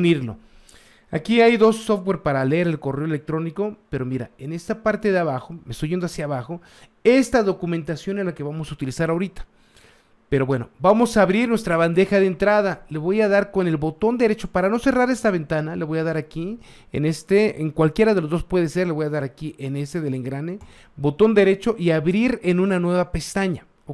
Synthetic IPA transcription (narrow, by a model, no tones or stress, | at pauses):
niɾlo̞̰ | akiajðo̞sːoft̪̚we̞ɾpaɾaleeɾelko̞reoelek̚t̪ɾo̞niko̞pe̞ɾo̞miɾa̰ene̞st̪apaɾt̪e̞ðeaβaxo̞mest̪ojʝend̪asjaβaxo̞ | e̞st̪aðo̞kume̞nt̪asjo̞nelake̞βamo̞saut̪ilisaɾaoɾit̪ḁ | pe̞ɾo̞βwe̞no̞̰bamo̞saːβɾiɾnwe̞st̪ɾaβand̪e̞xaðent̪ɾaðale̞βo̞jaðaɾko̞ne̞lβo̞t̪o̞nd̪eɾe̞t͡ʃo̞paɾano̞se̞raɾe̞st̪aβe̞nt̪analeβo̞jaðaɾaki | ḛnest̪eeŋkwalkje̞ɾaðelo̞zðo̞spwe̞ðese̞ɾle̞βo̞jaðaɾakiʔene̞st̪eðeleŋɡɾane | bo̞t̪o̞nd̪e̞ɾe̞t͡ʃo̞ʔiaβɾiɾenũnanwe̞βape̞st̪aɲa